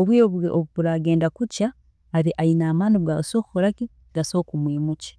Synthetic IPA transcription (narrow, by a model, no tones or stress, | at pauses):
oβwioβoβuβuɾaːɡe̞ːndakucaː | ɾiʔainaːmaːnibɡaɡasoːkukuɾaki | ɡaso̞ːkumwiːmuci̥